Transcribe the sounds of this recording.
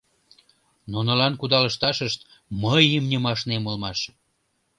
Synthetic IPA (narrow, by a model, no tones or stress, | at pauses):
nunəlɑnkud̪ɑlə̆ʃt̪ɑʃəʃt̪ | məjəmnʲəmɑʃnemolmɑʃ